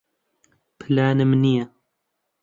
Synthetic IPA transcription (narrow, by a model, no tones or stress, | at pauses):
pʰɨlaːnɨmnijɛ